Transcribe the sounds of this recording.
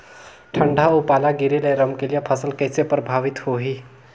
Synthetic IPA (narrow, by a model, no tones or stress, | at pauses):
ʈʰəɳɖʱaupalaɡiɾeləjɾəmkelijapʰəsəlkəjt͡sepɾəbʱaʋit̪hoɦi